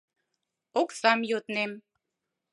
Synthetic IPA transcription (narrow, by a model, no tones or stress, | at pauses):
oksamjot̪nem